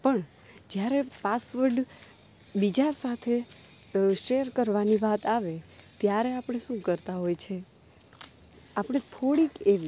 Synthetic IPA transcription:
pəɳ | d͡ʒjaɾepasʋəɾɖ | bid͡ʒasat̪ʰe | ʃeɾkəɾʋaniʋat̪aʋet̪jaɾeapəɽ̃eʃũkəɾt̪aɦojt͡ʃʰe | apəɽ̃et̪ʰoɽikeʋ

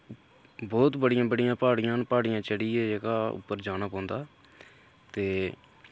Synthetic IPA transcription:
bɔːt̪bəɽɪjãːbəɽɪjãːpaːɽɪjãːnpaːɽɪjãːt͡ʃəɽiːeːd͡ʒekaːʊ̰pːəɾd͡ʒaːnaːpãːnd̪aː | t̪eː

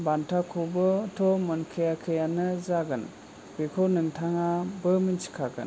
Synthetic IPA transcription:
bantʰakʰobɯtʰɔmɯnkʰɯjakʰɯjanɯzaɡɯn | bikʰɯnɯŋtʰaŋabɯmint͡ʃi̥kʰaɡɯ̰n

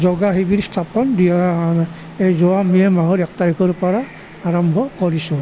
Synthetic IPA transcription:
zɔɡaɦibidstʰapɔndiaan | ejzɔwamiɛmaɦɔɾɛk̚taɹikʰɔɹpɔɹa | aɹɔmbʱɔkɔɹisʊ̃

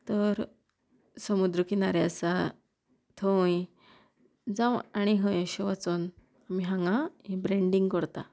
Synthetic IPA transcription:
t̪əɾ | səmud̪ɾəkinaɾjasa | t̪ʰõj | d͡zãwaɽ̃iɦə̃jɕɔʋat͡sɔn | amiɦãŋɡãibɾẽɳɖĩŋɡkəɾt̪a

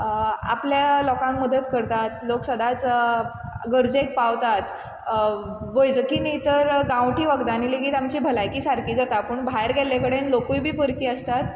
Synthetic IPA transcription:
a̰pljalɔkãŋkməd̪ət̪kəɾt̪at̪loksəd̪at͡s | ɡəɾd͡zek̚paʋt̪at̪ | ʋəjd͡zkinəjt̪əɾɡãʋʈiːʋəɡd̪anilekiːt̪amt͡ɕibʱəlajkiːsaɾkiːd͡zat̪apəɳbʱajɾɡʱɛlakəɽenlokujbʱiːpəɾkiəst̪at̪̚

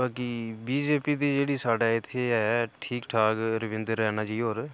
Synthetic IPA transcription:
baːkiːbiːd͡ʒeːpiːd̪iːd͡ʒeːɽiːsaːɖaːɪt̪ʰːeɛʈʰiːkʈʰaːkɾəʋɪ̃nd̪ɾːɛːnaːd͡ʒiːɦoːɾ

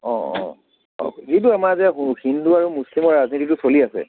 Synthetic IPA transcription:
ɔ̃ɔ̰̃ | ɔ̰zituamazɛɦuhinduaɹumuslimɔɹːaznititʊsoliasɛ̰

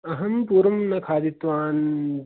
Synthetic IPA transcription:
ɐɦɐmpuːɾɐmnɐkʰaːd̪it̪ʋaːn

